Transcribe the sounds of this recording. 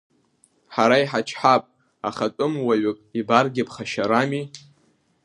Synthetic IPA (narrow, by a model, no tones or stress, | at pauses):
ħaɾaiħat͡ʃʰħapʼ | aχatʼɨmwaɥɪkʼibarɡʲɪpʰχaʃaɾami